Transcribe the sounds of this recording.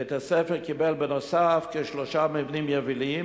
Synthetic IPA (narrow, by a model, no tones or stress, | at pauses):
et̪asefeʁkibelbenosafkeʃloʃamivnimjevilim